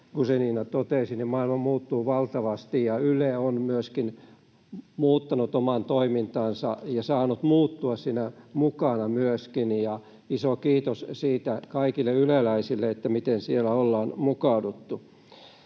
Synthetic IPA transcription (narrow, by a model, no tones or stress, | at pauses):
kuseniːnæt̪ot̪esinimmɑilmɑmuːt̪ːuːʋɑlt̪ɑʋɑst̪ijjɑyleonmyøskin | muːt̪ːɑnut̪omɑnt̪oimint̪ɑːnsɑ̰jɑsɑːnut̪muːt̪ːuɑssinæmukɑnɑmyøskinjɑ | isokiːt̪ossiːt̪ækɑikilːeylelæisilːeet̪ːæmit̪ensielæolːɑːnmukɑudut̪ːu